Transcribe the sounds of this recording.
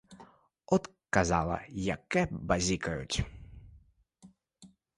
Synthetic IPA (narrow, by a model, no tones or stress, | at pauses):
ɔt̪ | kazalˠɐ̰jakɛbazʲikɐjʊ̰t͡sʲ